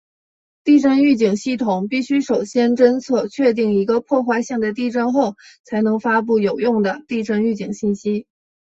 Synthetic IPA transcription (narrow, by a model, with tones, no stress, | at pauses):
t̪i˥˧ʈ͡ʂə˥˧ny˥˩t͡ɕi˨˩ŋɕi˥˩t̪ʰʊ˨˩ŋpi˥˩ɕy˥ʂo˨˩ʊɕjɛ˥nʈ͡ʂə˥nt͡sʰɤ˥˩t͡ɕʰɥɛ˥˧t̪̬i˥˩ŋi˧˥ɡə˧pʰwɔ˥˧xwa˥˧ɪɕi˥˩ŋd̪ə˩t̪i˥˧ʈ͡ʂə˥˧nxo˥˩ʊ | t͡sʰa˧˥ɪnɤ˧˥ŋfa˥p̬u˥˩jo˨˩ʊjʊ˥˩ŋd̪ə˩t̪i˥˧ʈ͡ʂə˥ŋy˥˩t͡ɕi˨˩ŋɕi˥˩nɕi˥